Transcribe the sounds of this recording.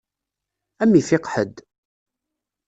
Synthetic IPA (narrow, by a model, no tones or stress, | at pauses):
æmːifɪqħəd̪